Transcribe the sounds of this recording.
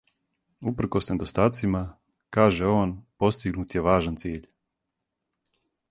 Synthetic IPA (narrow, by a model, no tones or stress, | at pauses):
upr̩kosned̪ost̪aːt̪sima | kaːʒeo̞ːnpo̞st̪iɡnuːt̪jeʋaːʒant̪siːʎ